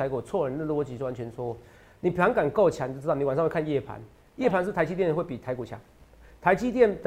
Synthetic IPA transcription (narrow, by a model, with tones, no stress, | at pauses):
a˧ɪku˨˩t͡sʰwɔ˥˩ɻə˧˦nə˥˧˦lwɔ˧˥t͡ɕi˧˦o˥˩wa˧˦nt͡ɕʰɥɛ˧nswɔ˥ | ni˨˩pʰa˧˦ŋka˨˩nko˥˩ʊt͡ɕʰa˧˦˧ni˧˦wa˨˩na˥˧ŋwe˥˧kʰa˥˧njɛ˥˩pʰa̰˧˦n | jɛ˥˩pʰa˧˦nʂ̬ɻ̩˥˩t̪a˧˥ɪt͡ɕi˥jn˨˧wpi˨˩t̪ʰa˧˥ɪku˨˩t͡ɕʰja̰˧˦ŋ | t̪ʰa˧˥ɪt͡ɕi˥t̪jɛ˥˨nt̪